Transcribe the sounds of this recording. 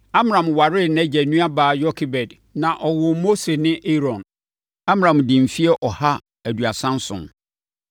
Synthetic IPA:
a˦m˦ɾã˨mwa˨ɾɪ˦næ˦d͡ʑɛ˨nũ˦a˦baː˨jɔ˦kʰi˨bɛ˨d | nã˨ʔɔ˨wʊ˨mo˦se˨nɪ̃˦ʔe˦ɾɔ̃˨n | a˦m˦ã˨mdɪ̃˨m̩˨fi˦ɛ˦ʔɔ˨ha˦ | æ˨du˨a˨sã˦n˦sʊ̰̃˨n

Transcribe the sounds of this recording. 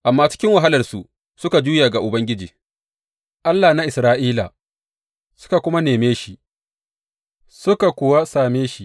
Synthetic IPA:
ʔa˨mːaː˦t͡ʃɪ̥˦kʲɪ˦ŋwa˨ɦa˦lɐ˨rsu˨ | sʊ˦ka˨d͡ʒuː˦jaː˨ɡa˨ʔʊ˨bɐ˦ŋɡʲɪ˦d͡ʒiː˨ | ʔa˦lːaː˨na˦ʔɪ˨sɾaː˦ʔiː˦la̰˨ | sʊ̥˦ka˨kʷʊ˦ma˦neː˨meː˦ʃi˦ | sʊ˦ka˨kʷʊ˨wa˦saː˨meː˦ʃi˦

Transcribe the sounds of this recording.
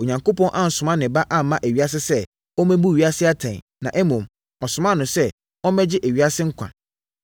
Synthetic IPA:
o˨ɲã˨ŋko˦pɔ̃˦nʔã˦n̩˨sʊ˨mã˦nɪ̃˨ba˦ʔa˦˨mã˦ʔæ˨ɥi˦a˦s̬ɪ˦sɛ˦ | ɔ˦mæ̃˦bu˦˨ɥi˦a˦sɪ˦a˦tʰã˨nã˨ʔɛ˦mʊ̃˨m | ɔ˨sʊ̃˨mã˦˨nʊ̃˨sɛ˦ | ɔ̃˦mɛ˦d͡ʑɪ˦ʔæ˨ɥi˦a˦sɪ˦ŋ̩˦kʷʰã̰˨

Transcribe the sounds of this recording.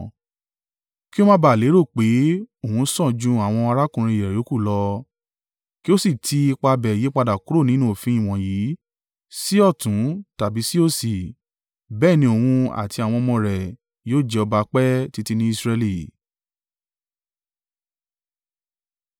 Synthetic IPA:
ki˦o˦mã˧ba˨le˨˦ɾo˦˨k͡pe˨˦o˦˨ũ˧˦sɔ̃˦˨d͡ʒũ˧˦a˦˨w̃ɔ̃˧a˧ɾa˦kũ˨ɾ̃ĩ˧i˨ɾɛ˨jo˨˦ku˦˨lɔ˧ | ki˦o˦si˦˨tʰi˧i˧k͡pa˧bɛ˨je˨˦k͡pa˧da˨ku˨˦o˦˨nĩ˨˦nũ˦o˨fĩ˧i˦˨w̃ɔ̃˨ji˨˦ | si˦ɔ˦˨tũ˨˦ta˨bi˨˦si˦o˦si˨ | bɛː˦˨nĩ˧o˨hũ˧a̰˨ti˧a˨w̃ɔ̃˧mɔ̃˧ɾɛ˨ | joː˦˨d͡ʒɛ˧ɔ˧ba˧k͡pɛ˦ti˧ti˧nĩ˦i˦˧sɾɛ˧li˨

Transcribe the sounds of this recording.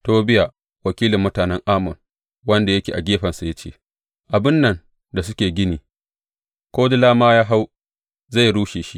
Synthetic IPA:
toː˦bɪ˦ja˨ | wɐ˨kʲiː˦lɪ˨mːʊ˦taː˨nɛ˦ŋʔaː˦mʊ˨ŋ | wɐ˦nda˨jɐ˦kʲḛː˨ʔa̰˨ɡʲeː˦ɸɐ˨nsa˨ja˦t͡ʃḛː˦˨ | ʔa˨bɪ˦nːɐ˨n | da˨s̬ʊ˦kʲeː˨ɡʲɪ˦niː˨ | kʷoː˦dɪ˦laː˦maː˦jaː˦ɦa˦w | za˦˨jɽuː˦ʃeː˨ʃi˦

